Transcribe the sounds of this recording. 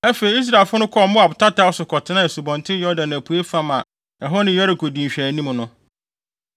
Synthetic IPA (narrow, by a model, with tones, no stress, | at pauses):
ɛ˦fe˨i˨i˦s̬ɾa˨lfʊ˦nʊ̃˦kʰɔ˦˨˦mʊ̃˦a˨bʊ˨tʰa˦tʰa˦ʊ˦sʊ˨kʰɔ˨tʰɪ˨˦nã˦˨su˨bɔ̃˨ntʰɪ˦jɔ˦dã˨næ˨pʰu˨e˦fã˦mã̰˨ | ɛ˨ɦɔ˦nɪ̃˦jɔ˦ɾɪ˨kʰo˨dĩ˨ɕᶣæ˨˦nĩ˦m˨nʊ̃˦